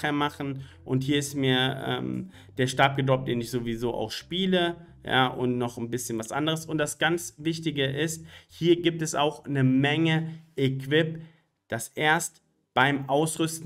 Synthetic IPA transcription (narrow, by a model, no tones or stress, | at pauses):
eːɐmaχn̩ | ʔʊnthiːɐɪstmiːɐʔɛ̰ːm | d̥eːɐʃtaɐp̚ɡ̥ədɔp̚td̥eːnɪçz̥oːvizoːʔa̰ʊxʃpiːlə | ja̰ːʔʊ̰ntnɔχn̩bɪsçənvasʔa̰ndəʁəsʊnt̚d̥asɡ̥ant͡sv̥ɪçtɪɡəʔɪsthiːɐɡiːp̚tɛsa̰ʊxnəmɛŋəʔekv̥ɪp | d̥asʔeːɐst | b̥aɪmʔaʊsʁʏst